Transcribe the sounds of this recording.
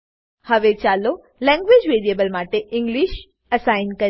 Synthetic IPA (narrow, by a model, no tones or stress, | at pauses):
həʋet͡ʃalo | lɛ̃ŋɡʋeːd͡ʒʋeɾijebəlmaʈeʔɪ̃ŋɡliːʃ | əsaɪnkə